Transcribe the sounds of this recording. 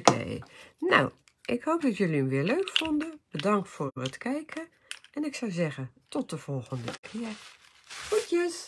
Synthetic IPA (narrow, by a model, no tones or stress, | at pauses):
kḛjna̰w | ʔɪkhowp̚dɑtjøliəmʋɪːɹløɥkfɔndəb̥ədɑŋk̚tfʊːrətkɛjkʰə | ʔɛnɪksawzɛɣəntɔt̚əv̥ɔlˠɣəndəkʰɪːəɹ | χutjəs